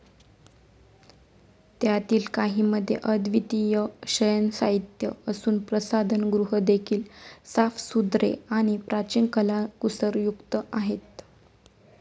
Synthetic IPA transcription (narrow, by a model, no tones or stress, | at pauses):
t̪jat̪iːlkaɦiːməd̪ʱːjḛʔəd̪ʋit̪ijəɕəjənsaɦit̪jəəsuːnpɾəsad̪ʱənɡɾuɦəd̪ekʰiːlsafsud̪ɾḛaɽ̃ipɾat͡ɕinkəlakusəɾjukt̪əʔaɦet̪̚